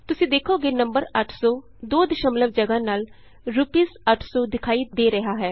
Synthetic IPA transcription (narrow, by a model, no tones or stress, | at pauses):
t̪ʊsĩːd̪eːkʰoːɡeːnəmbəɾəʈʰsɔː | d̪oːd̪ɪʃãmələb̚d͡ʒəɡãːnaːl | ɾupiːsəʈʰsɔːd̪ɪkʰaːiːd̪eːɾɛɦaːɦɛː